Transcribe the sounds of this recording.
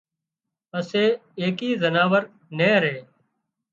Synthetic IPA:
əseːeːkiːzənaːʋəɾ | nẽːɾeː

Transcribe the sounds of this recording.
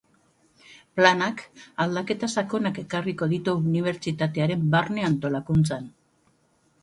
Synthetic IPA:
planakald̪ake̞t̪asako̞nake̞kariko̞ðit̪uuniβ̞e̞ɾt͡ʃit̪at̪e̞aɾe̞mbarne̞ant̪o̞lakunt͡san

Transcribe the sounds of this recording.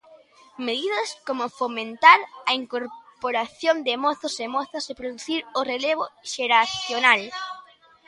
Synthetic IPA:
meðiðɐskomʊfomẽnt̪aɾɐiŋkoɾpoɾaθjond̪ɪmɔθʊsemɔθɐsepɾoðuθiɾʊreleβʊʃeɾaθjonal

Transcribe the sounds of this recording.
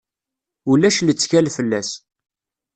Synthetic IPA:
ulæʃlət͡sːçælfəlːæs

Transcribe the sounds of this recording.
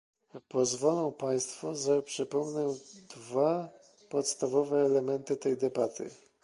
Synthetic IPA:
pɔzvɔlɔ̃w̃paj̃st̪fɔʐapʂɛpɔmnɛd̪va | pɔt̪st̪avɔvɛːlɛmɛnt̪ɘt̪ɛjd̪ɛbat̪ʰɘ̰

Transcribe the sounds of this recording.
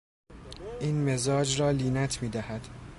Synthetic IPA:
ʔiːnmezɒːd͡ʒrɒːliːnæt̪ʰmiːd̪æhæd̪̥

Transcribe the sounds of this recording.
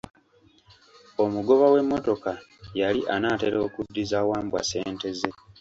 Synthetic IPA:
o̞muɡo̞βawe̞mːo̞to̞ka | jaliʔanaːte̞ɾo̞ːkudːizaːwaːmbwa̰se̞ːnte̞ze̞

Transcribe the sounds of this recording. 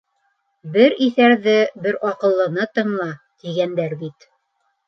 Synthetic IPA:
bɘɾiθæɾðɘbɘɾɒqɤ̆lˠːɤ̆nɤt̪ɤ̆ɴlˠɑ | t̪iɡænd̪æɾbit̪

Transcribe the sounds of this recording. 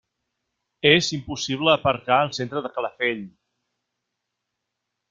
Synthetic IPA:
ezimpusiβ̞ləːpəɾkaəlˠsent̪ɾəðəkələfeʎ

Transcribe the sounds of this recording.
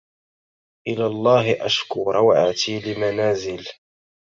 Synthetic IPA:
ʔɪlaːlˤːɑːɦɪʔaʃkuːɾˤɑwʕat̪iːlɪmanaːzɪl

